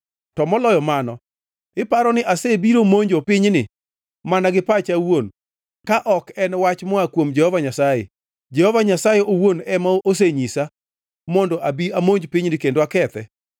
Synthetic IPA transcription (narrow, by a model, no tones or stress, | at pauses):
tɔmɔlɔjɔmanɔ | ɪpaɾɔnɪʔasebiɾomoɲd͡ʒopɪɲnɪ | manaɡɪpat͡ʃawon | kaʔɔkɛnwat͡ʃmɔakwomd͡ʒɛhɔvaɲasajḛ | d͡ʒɛhɔvaɲasajɛʔowonɛmaos̬eɲisa | mɔndɔʔabiamoɲd͡ʒpiɲnɪkendwakɛt̪ɛ